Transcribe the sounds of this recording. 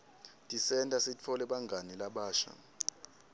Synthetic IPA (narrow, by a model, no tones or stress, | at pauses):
tʼisɛntʼasit͡fʰɔlɛɓaŋɡʱanɛlaɓaːʃa̰